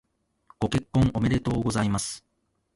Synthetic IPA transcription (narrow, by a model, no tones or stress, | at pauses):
ɡ̥o̞ke̞kːõ̞ŋ̃o̞me̞ɾe̞t̪o̞ːɡo̞zaimasɨ̥